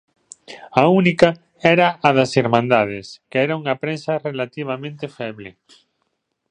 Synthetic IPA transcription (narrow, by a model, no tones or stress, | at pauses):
aunika | ɛɾɐːðɐsiɾmãnd̪að̞eskeɛɾauŋɐpɾensɐrelat̪iβ̞amẽnt̪efɛβlɪ